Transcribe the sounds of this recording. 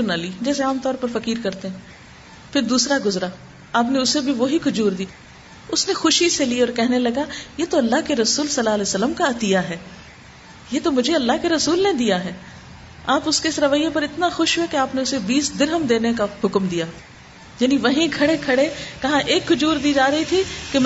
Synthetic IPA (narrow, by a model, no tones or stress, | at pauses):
ɾnaliːd͡ʒɛːseaːmt̪ɔːɾpɐɾfɐkiːɾkɐɾt̪eɦɛ̃ː | fʰɪɾd̪uːsɾaɡʊzɾa | aːpneʊsebʱiʋoɦikʊd͡ʒuːɾd̪iː | ʊsnexʊʃiseliɔːɾkɛɦnelɐɡajeːt̪oɐlːaɦkeɾɐsuːlsɐlːaːlɛːsəlːəmkaɐt̪ɪjaɦɛː | jeːt̪omʊd͡ʒʱeɐlːaɦkeɾɐsuːlned̪ijaɦɛː | aːpʊskeɪsɾɐʋəjepɐɾɪt̪naxʊʃɦoɛkeaːpneʊsebiːsd̪ɪɾɦəmd̪eːnekaɦʊkmd̪ijaː | jaːniʋɐɦĩkʰɐɽekʰɐɽekɐɦãʔeːkːʊd͡ʒuːɾd̪iːd͡ʒaːɾɐɦit̪ʰike